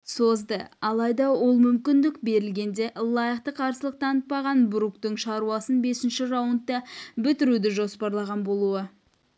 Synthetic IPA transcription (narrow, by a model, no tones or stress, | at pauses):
so̞zd̪əɑlˠɑjd̪ɑwo̞lˠmʏmkʲɪnd̪ɪkbe̞ɾɪlɡʲe̞nd̪e̞lˠɑjəqt̪əqʰɑɾsəlˠəq̚t̪ʰɑnət̪̚pːɑʁɑnbɾukt̪ɪɴʃɑɾuɑsənbe̞sɪnʃɪɾɑwənt̪ːɑbɪt̪ɪɾud̪ɪʒo̞spɑɾlˠɑʁɑnbo̞lˠuə